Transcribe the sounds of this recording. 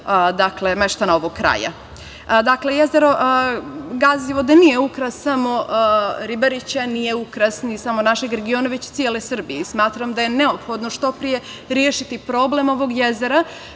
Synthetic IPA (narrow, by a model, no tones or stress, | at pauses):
d̪akle̞meʃt̪anao̞ʋoɡkɾa̰ːja̰ | d̪akle̞jeze̞ɾo̞ʔ | ɡaziʋo̞d̪anijeukɾassamo̞ɾibaɾit͡ɕanije̞ukɾasnisamonaʃe̞ɡɾe̞ɡio̞naʋet͡ɕt̪sijele̞sr̩bijesmaːt̪ɾamd̪aje̞ne̞opxo̞d̪noʃt̪o̞pɾije̞ɾjeʃit̪ipɾo̞ble̞mo̞ʋo̞ɡjeze̞ɾa